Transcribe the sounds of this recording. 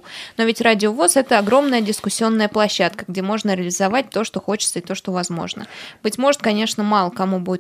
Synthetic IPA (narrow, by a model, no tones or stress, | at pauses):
no̞vʲɪtʲradʲɪovosɛt̪əɐɡɾo̞mnəjədʲɪskʊsʲːɪo̞nːəjəplˠɐɕːat̪kəɡdʲe̞mo̞ʐnəɾʲɪəlʲɪzɐvat̚ʲt̪o̞ʂt̪o̞xo̞t͡ɕɪ̥t̪səɪt̪o̞ʂt̪ovɐzmo̞̰ʐnə̰b̥ɨtʲmo̞ʐɨt̪̚kɐnʲe̞ʂnəmɑlˠəkɐmubuɪt̪